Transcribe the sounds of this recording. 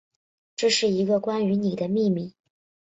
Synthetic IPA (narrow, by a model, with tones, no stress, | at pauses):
ʈ͡ʂɤ˥˧ʂɻ̩˥˩i˧˥ɡə˧kwa˥ny˧˥ni˨˩d̪ə˦mi˥˩mi˧˩